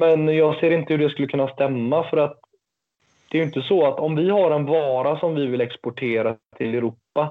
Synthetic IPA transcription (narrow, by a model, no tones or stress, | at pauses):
mɛnjɑːɡseːɾɪnt̪əhɵɖɛskɵlːəkʰɵnːast̪ɛmːafœɾat̪ | d̪̥ɛæɾjʏɪnt̪əsɔat̪ɔmvɪhaɾɛnvɑːɾasɔmvɪvɪlɛkspɔʈʰeːɾat̪ʰɪlɛɾuːpːa